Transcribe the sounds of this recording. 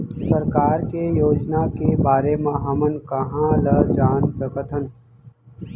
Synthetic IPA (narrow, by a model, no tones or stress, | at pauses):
sɐɾkaːɾkejoːd͡ʒnakebaːɾemãɦɐmənkɐɦãːləd͡ʒaːnsɐkət̪ʰən